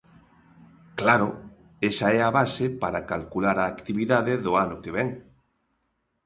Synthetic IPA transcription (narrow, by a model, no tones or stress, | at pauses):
klaɾʊ | esaɛaβasepaɾakalkulaɾaːkt̪iβiðaðeðʊanʊkeβɛŋ